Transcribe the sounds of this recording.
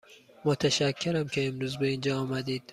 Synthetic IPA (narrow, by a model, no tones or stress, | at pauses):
mot̪ʰæʃækʰːeɾæmkʲʰeːmɾuːzbeind͡ʒɒːɒːmæd̪iːd̪̥